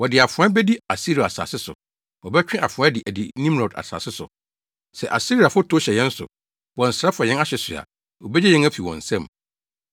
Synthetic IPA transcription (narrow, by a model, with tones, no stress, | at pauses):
wɔ˨dɪ˨a˨fʊ̃˨˦a˦bɛ˦di˦a˨si˦ɾi˨a˨sa̰ː˨sɪ˦sʊ̰˨ | wɔ˨bɛ˦t͡ɕᶣɪ̃˦ʔa˨fʊ̃˨a˦dɪ˨ʔæ˨di˨nĩ˦m˦ɾɔ˨da̰˨sa̰ː˨sɪ˦sʊ̰˨ | sɛ˨ʔa̰˨si˦ɾi˨a˨fʊ˦tʰʊ˦ɕɛ˨jɛ̃˦n̩˦sʊ̰˨ | wɔ̃˨n̩˨sɾa˦fa˨jɛ̃˦na˦ɕɛ˨sʊ̰˨a̰˨ | wɔ˨bɛ˦d͡ʑɛ˦jɛ̃˦næ˦fi˨wɔ̰̃˨n̩˨sɛ̃˦˨m